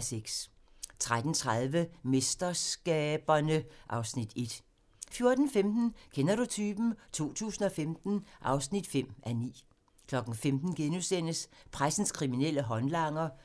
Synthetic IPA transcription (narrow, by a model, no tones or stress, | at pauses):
seɡ̥s | t͡sʰʁad̥n̩t͡sʰʁaðˠʋəme̝sd̥ɐsɡ̥ɛːb̥ɐnəʔɑ̈ʊsnid̥e̝d̥ | fjo̝ɐd̥n̩femd̥n̩kʰenɐɾut͡sʰyːb̥m̩t͡sʰo̝̰ːt͡sʰṵːsn̩ɒ̽femd̥n̩ʔɑ̈ʊsnid̥fem̰ænḭː | kʰlɒ̽ɡ̥n̩femd̥n̩ɡ̥enusen̰əspʰʁasn̩skʰʁiminel̰əɦɒ̽nlɑ̈ŋ̰ɐ